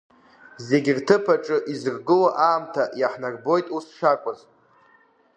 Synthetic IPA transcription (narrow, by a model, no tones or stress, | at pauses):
ze̞ɡʲirtʰɨpʰaʈ͡ʂʼɨʔizɨrɡɨwaʔaːmtʰajaħnarbo̞jtʼusʂakʷʼaz